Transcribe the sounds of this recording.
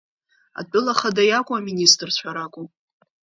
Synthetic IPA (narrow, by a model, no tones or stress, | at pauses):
a̰dʼʊlaχadajakʷʼʊaministʼrt͡ɕʷʰaɾakʷʼʊ